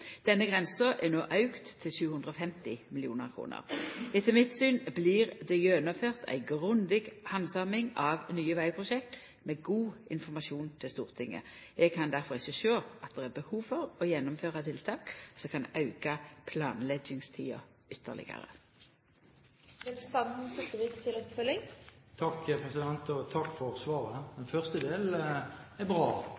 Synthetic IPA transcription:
d̪̥ɛnːəɡʁɛnsəʔɛnoːʔɑʉkt̪ʰːɪlʃʉːhʉnʁəɔːfɛmt̪ɪmɪlɪuːnəʁkʰʁṵːnə̰ʁɪt̪əlmɪt̪syːnbliːʁd̪ɛjønɔmføːʁt̪ʰæ̰ɪɡʁʉnd̪ɪɡhɑnsɑmɪŋɑʋnyːəʋæɪpʰʁʊʃɛkt̪ | meːɡuːɪnfɔmɑʃuːnt̪ʰɪlst̪ṵːʁt̪ʰɪŋːə̰ɛɡ̚kʰɑnd̪æʁfɔʁɪçəʃøːɑt̪̚d̪ɛæːbəhuːʋfɔʁɔjɛnːɔmføːʁɑt̪ʰɪlt̪ʰɑːksɔkʰɑnʔɑʉɡɑpʰlɑːnlɛɡɪŋst̪ʰḭːɑ̰ | ʏt̪ʰːə̰ʁlɪ̰ɡə̰ʁə̰ | ʋɛmst̪ɑnd̪n̩sɛt̪ːəʋɪkt̪ʰɪlɔpfœlɪŋt̪ʰɑkːpʰʁɛsɪd̪ɛnt̪ɔt̪ʰɑkːfɔʁsʋɑːʁəmɛnfœʁst̪əd̪eːlɛbʁɑː

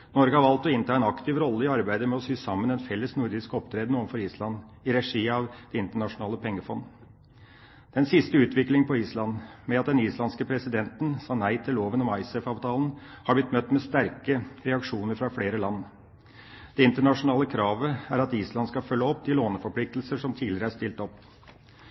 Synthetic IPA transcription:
nɔɾɡəhɑɾʋɑlt̪ɔɪnt̪ʰɑːɛnɑkt̪ʰɪʋɾɔlːəɪɑɾbæɪd̪əmɛɔsyːsɑmːənɛnfɛlːəsnʊɾd̪ɪskɔpt̪ʰɾeːd̪ənuːʋnfɔɾiːslɑn | ɪɾɛʂiːɑʋd̪̥ɛɪnt̪əɳɑʂʊnɑːləpʰɛŋːəfɔnː | d̪̥ɛnsɪst̪əʉːt̪ʋɪklɪŋpʰɔiːslɑnmɛɑt̪̚d̪ɛniːslɑnskəpʰɾɛsɪd̪ɛnt̪n̩sɑːnæɪt̪ʰɪlːoːʋənɔmɑɪsɛfɑːʋt̪ʰɑːln̩ | hɑblɪt̪mœt̪ːmɛst̪æɾkəɾɛɑkʂuːnəɾfɾɑfleːɾəlɑnː | d̪̥ɛɪnt̪əɳɑʂʊnɑːləkʰɾɑːʋəæɾɑt̪iːslɑnskɑfœlːəɔpːd̪ɪloːnəfɔɾpʰlɪk̚t̪lsəʂɔmt̪ʰiːlɪɾəæʂt̪ɪlt̪ɔpː

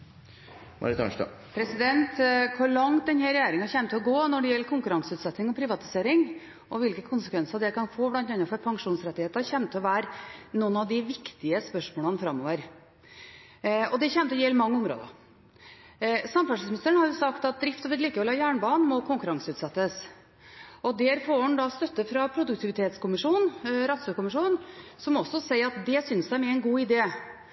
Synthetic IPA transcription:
mɑ̰ɾɪt̪ʰɑ̰nʂt̪ɑ̰ | pʰɾɛsɪd̪ɛnt̪kʰʊɾɭɑŋt̪̚d̪ɛnhæɾɛjæːɾɪŋɑçɛːmət̪ʰɪɔɡoːnɔɖɛjɛlːəɾkʰʊŋkʉɾɑŋsəʉːt̪sɛt̪ːnɪŋɔpʰɾɪʋɑt̪ɪ̥seːɾɪŋ | ʔɔʋɪlkəkʰʊnsəkʋɛnsɑɾd̪ɛækɑnfoːblɑnt̪ɑnːɑfɔɾpʰɑŋʂuːnsɾɛt̪ːɪheːt̪əçɛmt̪ʰːɪlɔʋæːɾnɔnɑʋd̪ɪʋɪkt̪ɪəspœʂmoːɭənəfɾɑmːo̰ːʋəɾ | ɔd̪ɛçɛmt̪əɔjeːlmɑŋːəʊmɾo̰ːd̪ɑ̰ | sɑmfɑʂɪsmnɪst̪ɾəɳhɑɾjʊsɑkt̪ɑt̪̚d̪ɾɪft̪ɔʋɪliːkʋɛlɑːjæːɳbɑːnmɔkʰʊŋkʉɾɑŋsəʉːt̪sɛt̪ːəs | ʔɔd̪ɛɾfoːɔnd̪ɑst̪œt̪ːəfɾɑpʰɾʊd̪ʉkt̪ʰɪʋɪt̪ʰeːt̪skʊmɪʂuːnɾɑt̪sɔːɾkʊmɪʂuːnsɔmɔsɔsæɪəɾɑt̪̚d̪ɛsʏnsd̪æɪmɛɛɪnɡuːɪd̪eː

